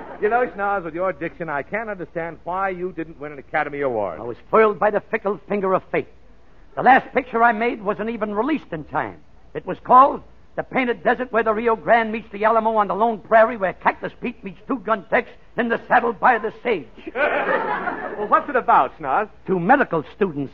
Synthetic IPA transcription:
jɨnoʊʃnɑzwɨðjə˞ɨdɪkʃɨ̃naɪkʰæ̃ntʌ̃ndə˞stæ̃nd̚waɪjɨdɪdⁿn̩ʔwɪ̃nɨ̃nɨkʰæɾɨmiəwɔ̰ɹa̰ɪwʌz̥fɪɪlˠd̚baɪðɨfɪkl̩ˠfɪ̃ŋɡə˞ʌv̥feɪt̪̚ | ðəlæst̚pɪk̚t͡ʃə˞aɪmeɪd̚wʌzɨ̃n̩ivɨ̃nɹɪlistɨ̃ntʰã̰ɪ̃m | ɨt̚wʌz̥kʰɔlˠd̪̚ | ðɨpʰẽɪ̃ɾ̃ɨt̚d̥ɛzə˞t̚wə˞ðəɹioʊɡɹæ̃nmitsðiælˠəmoʊə̃nðəlõʊ̃npʰɹ̥ɛɹiwə˞kʰæklɨspit̚mitstʰuɡʌ̃ntʰɛks | ɨ̃nðɨsæɾl̩ˠbaɪðɨsteɪ̥d͡ʒ̥ | wɛwʌtsɨɾɨbaʊtsnɑz̥tʰumɛɾɨkl̩ˠstudⁿn̩ts

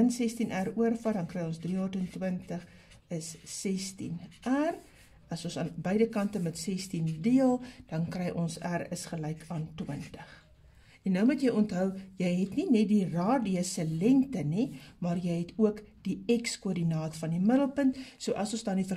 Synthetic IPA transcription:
ənsɛstinʔæruərfɐrdɐnkrɛjɔ̃nsdriortəntwəntəχ | əsːɛstḭnʔær | ɐsɔ̃nsɑːnbəjdəkɐntəmətsɛstindiəlˠd̥ɐnkrɛjʔɔnsærəsχəlɛjkʰɑːntwəntəχ | ɛnːəwmutjəjɔntɦœwjəjɦɛtninɛt̚dirɑːdiəsəlɛŋtənimɑːrjəjɦɛtuəkd̥iɛkskuərdinɑːtfɐndimədəlˠpəntsuəʔɐsɔ̃nsdɑːndifə

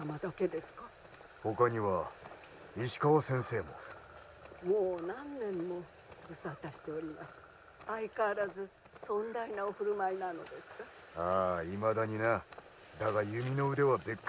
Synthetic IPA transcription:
amad̪ake̞d̪e̞sɨ̥ka | ho̞kaɲ̟iβa | iɕi̥kaβasẽ̞ɰ̃se̞ːmo̰ | moːnãnːẽ̞mːo̞ | ɡ̥ɯ̟sat̪aɕi̥t̪e̞oɾʲimasɨ̥ | aikaβaɾazɨ | sõ̞nd̪ainaoɸɯ̟ɾɯ̟mainano̞̰d̪e̞sɨ̥ka | aːimad̪aɲ̟ina | d̪aɡajɯ̟mʲino̞ɯ̟d̪e̞βad̪e̞kː

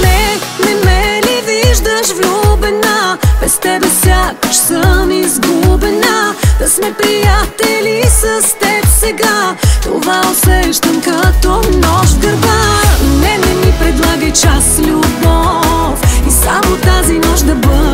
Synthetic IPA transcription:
nɛ | nɛmɛliviʒd̪əʃvlʲubɛnab̥ɛst̪ɛbɛsjakʃsəmizɡubɛnad̪ɐsmɛpɾijat̪ɛlisəst̪ɛpsɛɡat̪o̰vaosɛʃt̪ɐmkɐt̪ɔnɔʃɡəɾvanɛnɛmipɾɛd̪lˠaɡəjt͡ʃaslʲubɔ | fisamot̪azinɔʃd̪ɐbə

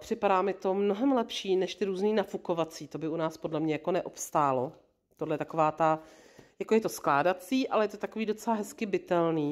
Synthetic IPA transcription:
pr̝̥ɪpadaːmɪt̪o̞mno̞ɦɛmlɛpʃiːnɛʃt̪ɪɾuːzniːnafuko̞vat͡siːt̪o̞bɪunaːspodlɛmɲɛjako̞nɛʔo̞pst̪aːlo̞ | t̪odlɛjɛt̪ako̞vaːt̪ajako̞jɛt̪o̞sklaːdat͡siːʔalɛjɛt̪ot̪ako̞viːdo̞t͡sɛlaɦɛskɪbɪt̪ɛlniː

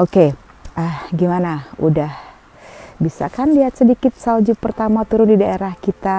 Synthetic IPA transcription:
oke | ʔəhɡimanaṵdah | bisa̰kanliat̪̚sədikɪt̪̚sald͡ʒupərt̪amat̪uɾʊndidaeɾahkit̪a

